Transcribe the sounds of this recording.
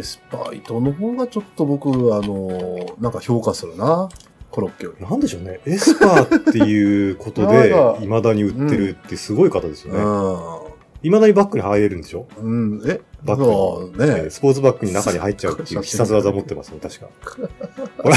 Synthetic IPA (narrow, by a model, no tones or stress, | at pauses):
sɨ̥pa̰ḭt̪o̞noɦo̞ːɡat͡ɕo̞t̪ːobo̞kɯ̟ano̞nãŋkaço̞ːkasɨɾɯ̟na | koɾokʲːo̰nãnd̪eɕo̞ːne̞esɨ̥paːt̪ːe̞jɯ̟ːko̞t̪o̞d̪e̞imad̪aɲ̟iɯ̟t̪ːe̞ɾɯ̟t̪ːeɯ̟sɨɡo̞ikat̪ad̪e̞sɨjone | imad̪aɲ̟ibakːɯ̟ɲ̟ihaiɾe̞ɾɯ̟̃nd̪e̞ɕo̞ɯ̃ebakːɯneesɨ̥po̞ːt͡sɨbakːɯ̟ɲ̟inakaɲ̟ihait̚ːt͡ɕaɯt̪ːɯːçʲi̥sasɨβazaomo̞t̪ːe̞masɨnet̪aɕi̥ka̰ | koɾa